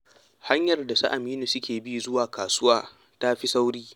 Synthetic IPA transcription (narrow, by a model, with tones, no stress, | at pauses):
ha˦ɲjɐ˨rda˨sa̰˦ʔa˨miː˦nu˨sʊ˦kʲeː˨bi˦˨zʊ˦waː˨kʰaː˨sʊ˦waː˦ | ta˦ɸi˦sa˦wɽiː˦